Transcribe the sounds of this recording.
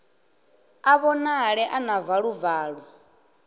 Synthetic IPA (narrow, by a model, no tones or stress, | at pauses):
aβɔnaɺɛʔanavaɺuvaːɺu